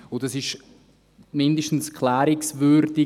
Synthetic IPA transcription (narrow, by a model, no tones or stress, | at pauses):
ʊdɑsɪʃ | mɪndəʃtn̩skʰlæːɾɪksvʏɾdɪ